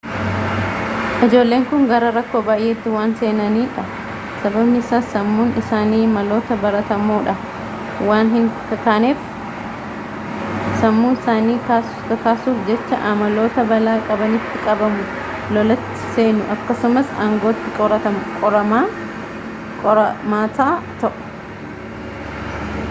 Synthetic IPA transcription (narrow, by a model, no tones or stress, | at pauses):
ʔɪd͡ʒo̞ːlːe̞ːŋkʊŋɡɐɾɐɾɐkːo̞ːbaːjʔeːt̪ːɪwaːnse̞ːnɐniːᶑɐ | sɐbɐbnɪɪsaːsɐmːuːnɪsaːniːmɐlo̞ːt̪ɐbɐɾɐt̪ɐmoːᶑɐ | waːnɦɪŋkɐkaːneːf | sɐmːuːnɪsaːniːkaːs | kɐkaːsuːfd͡ʒɛt͡ʃːɐʔɐmɐlo̞ːt̪ɐbɐlaːkʼɐbɐnɪt̪ːɪkʼɐbɐmʊ | lɔlɐt̪ːɪ̥se̞ːnʊʔɐkːɐsʊmɐsaːŋɡo̞ːt̪ːɪkʼɔɾɐɐmkʼɔɾɐmaː | kʼɔɾɐmaːt̪aːt̪ɐʔʊ̥